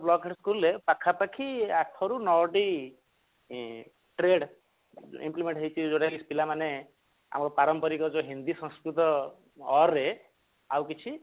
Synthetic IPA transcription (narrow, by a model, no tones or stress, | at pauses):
blɔɡʰeʈskulːepakʰapakʰiat̪ʰɔɾunɔwɔʈi | ʈɾeɽ | ḭmplimeɳʈɦʌjt͡ʃʰid͡ʒoɽakispilamane | a̰mɔkɔpaɾɔmpɔɾikɔd͡ʒoɦind̪isɔ̃nskɾit̪ɔː | ɾe | awkit͡ʃʰi